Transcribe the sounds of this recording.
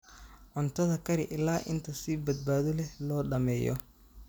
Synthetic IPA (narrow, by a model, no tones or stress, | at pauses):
ʕɔnt̪ʰɐðɐkʰɐɾɪʔɪlaːʔɪnt̪ʰɐsiːbɐd̪̚baːðɔlɛhlɔːɖɐmɛːjɔ̰